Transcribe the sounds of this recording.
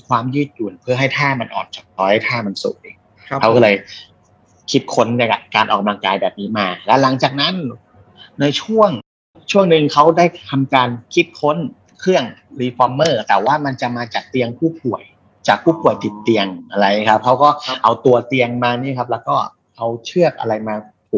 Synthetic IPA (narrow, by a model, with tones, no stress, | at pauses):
kʰwaː˧mjɯː˥˩t̪̚ju˨˩npʰɯ˥˩ɐɦa˥˩jt̪ʰaː˥˩ma˧nʔɔ̰ː˨˩nt͡ɕa˨˩k̚t̪ɔː˧˦ha˥˩t̪ʰaː˥˩ma˧nsṵ˨˩ʔḛː˧˩ŋ | kʰa˦˥kɔː˥˩lɤː˧j | kʰi˦˥t̪̚kʰo˦˥nːa˥˧˩ka˧˩kaː˧nʔaː˨˩ka˧mla˧ŋkaː˧jbɛː˨˩p̚niː˦˥maː˧lɛ˦˥la˩˦ŋt͡ɕaː˨˩k̚na˦˥n | na˧jt͡ɕʰu˥˩əŋ | t͡ɕʰu˥˩əŋnɯ˨˧ŋkʰa˦˥wdaː˥˩jt̪ʰa˧mkaː˧nkʰi˦˥t̪̚kʰo˦˥n | kʰɾɯ˥˩əŋɾiː˧fɔː˧mːɤː˥˩t̪ɛː˨˩waː˥˩ma˧nt͡ɕa˨˩maː˧t͡ɕaː˨˩k̚t̪i˧əŋpʰuː˥˩p̚u˨˩əj | t͡ɕaː˨˩k̚pʰuː˥˩pu˨˩əjt̪i˨˩t̪ːi˧əŋʔa˧ɾa˧jkʰa˦˥p̚kʰa˦˥wkɔː˥˩ʔa˧wt̪u˧ɐt̪i˧əŋmaː˧niː˥˩˨kʰp̚lɛː˦˥wkɔː˥˩ | ʔa˧wt͡ɕʰɯ˥˩ək̚ʔa̰˧ɾa˧jmaː˧ | pʰu˨˩